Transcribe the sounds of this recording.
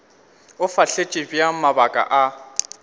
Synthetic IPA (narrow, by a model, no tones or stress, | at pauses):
ʊfaɬet͡ʃʼɪbijamabakʼa̰ʔa